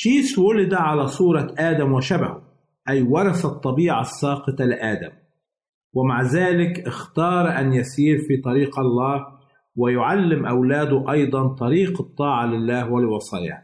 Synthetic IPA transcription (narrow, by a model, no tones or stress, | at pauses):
ʃiːswʊlɪd̪aʕalasˤuːɾˤɑʔaːd̪amwɪʃabahʊ | ʔajwɑɾˤɑsɑt̪ˤːɑbiːʕasːɑːqɨt̪ɑlɪʔaːd̪am | wɪmaʕzaːlɪkʔɪxt̪ɑːɾˤʔanjasiːɾfiːt̪ˤɑɾiːqɑlːaːh | wɪjʊʕalːɪmʔawlaːd̪ʊʔɑjd̪ˤɑnt̪ˤɑɾiːqɨt̪ˤːɑːʕɑlɪlːaːhwɪlwɑsˤɑ̰ːja̰ː